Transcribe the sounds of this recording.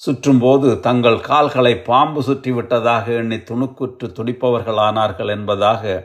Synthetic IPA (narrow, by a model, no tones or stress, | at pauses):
sʊʈrɯmpoːðɯt̪ɐŋɡɐɭkaːlɣɐɭɐɪpːaːmbɯsʊʈrɪʋɪʈːɐðaːɣɐɛɳːit̪ːʊɳɯkːɯʈrɯt̪ːʊɽɪpːɐʋɐɾɣɐɭaːnaːɾɣɐɭɛnbɐðaːɣɐ